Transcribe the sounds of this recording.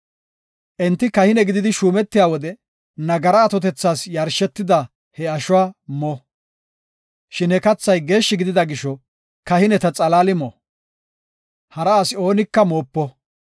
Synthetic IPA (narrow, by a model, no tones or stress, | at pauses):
ʔɛnt̪ːɪkɐhɪnɛɡɪd̪ɪd̪ɪʃuːmɛt̪ːɪjaːwɔd̪ɛ | nɐɡɐɾɐːt̪ɔt̪ɛt͡sːaːsjɐɾʃɛt̪ːɪd̪ɐ | hɛɐʃʊwaːmɔ | ʃɪnɛkɐt͡sːɐjɡe̞ːʃːɪɡɪd̪ɪd̪ɐɡɪʃːɔ | kɐhɪnɛt̪ɐt͡sʼɐlaːlɪmɔ | hɐɾɐasɪo̞ːnɪkːɐmoːpːɔ